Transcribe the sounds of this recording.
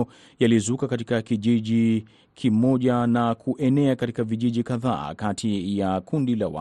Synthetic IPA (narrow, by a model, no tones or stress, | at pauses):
jalizukakatikakiʄiʄi | kʰimɔʄanakʰuʔɛnɛakatikaviʄiʄikaða̰ːkatʰijakundila̰wa̰